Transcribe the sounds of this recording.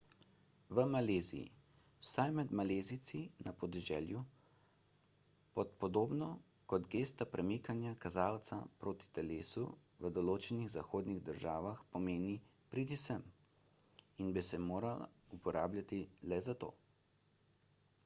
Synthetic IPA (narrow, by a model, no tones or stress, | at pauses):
ʋəmaleːzḭjḭ | sajmɛd̪maleːzit̪sinapɔd̪ɛʒɛ̰ːlju | pɔt̪pɔd̪oːbnɔ | kɔd̪ɡeːst̪apɾʔɛmikanjakazaːwt̪sapɾoːt̪i̥t̪ɛleːsu | ʋəd̪ɔloːt͡ʃɛniɣzaxoːd̪niɣd̪əɾʒaːʋaxpɔmeːni | pɾid̪isəm | inbisɛmoːɾal̰ | upɔɾaːbljʲat̪ilɛzat̪o̰ː